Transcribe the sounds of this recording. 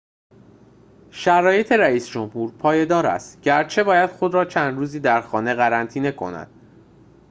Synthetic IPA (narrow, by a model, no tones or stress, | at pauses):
ʃæɾɒːje̞t̪ʰe̞ɾæiːsd͡ʒomhuːɾpʰɒːje̞d̪ɒːɾæ̰st̪ɟæɾt͡ʃʰe̞bɒːjæd̪̥xo̞d̪ɾɒːt͡ʃʰænd̪ɾuːziːd̪æɾxɒːne̞ɣæɾænt̪ʰiːne̞kʰo̞̰næ̰d̪̥̚